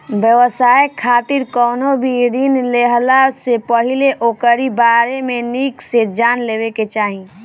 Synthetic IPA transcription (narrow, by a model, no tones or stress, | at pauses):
bjəʋəsaːjekʰːaːt̪ɪɾkɔːnobʱiɾinleɦlasepəɦileʔoːkəɾibaːɾemẽniːksed͡ʒaːnleːweket͡ʃaːɦĩ